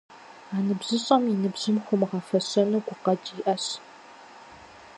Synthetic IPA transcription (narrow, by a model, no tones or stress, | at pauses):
aːnɨbʑɨɕʼɐminɨbʑɨmχʷʊmɨʁɐfɐɕʼɐnɨɡʷʊqɐt͡ʃʼiʔɐɕ